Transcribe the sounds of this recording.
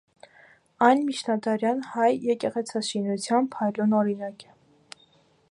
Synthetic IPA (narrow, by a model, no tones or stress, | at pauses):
ɑjnmit͡ʃʰnɑd̪ɑɾjɑnhɑjjɛkɛʁɛt͡sʰɑʃinut͡sʰjɑnpʰɑjlunɔɾinɑkɛ̥